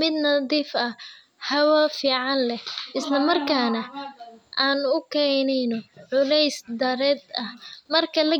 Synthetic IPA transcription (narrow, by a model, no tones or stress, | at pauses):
mɪd̪nɐðiːfɐ | hɐwɐfiːʕɑnlɛhʔɪslɐmɐrkʰaːnɐʔaːnʊkʰɛːnɛjnɔʕʊlɛjsd̪ɐɾɛd̪ɐhmɐrkʰɐlɐ